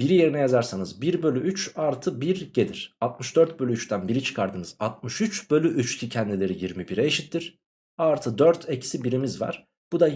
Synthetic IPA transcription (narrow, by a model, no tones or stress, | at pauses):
biɾije̞ɾinɛjazaɾsanɯzbiɾbølʲyyt͡ʃaɾt̪ʰɯbiɾɟe̞d̪iɾ̥alˠt̪̚mɯʃd̪øɾt̪̚bølʲyyt͡ʃt̪ʰænbiɾit͡ʃʰɯ̥kʰaɾd̪ɯnɯzat̪̚mɯʃyt͡ʃbø̞lʲyʔyt͡ʃcʰicʰɛnd̪ilʲe̞ɾijiɾmibiɾɛːʃit̪ʰːiɾ̥ | aɾt̪ʰɯd̪øɾt̪ʰe̞cʰi̥sibiɾimizva̰ɾ̥ | b̥ud̪a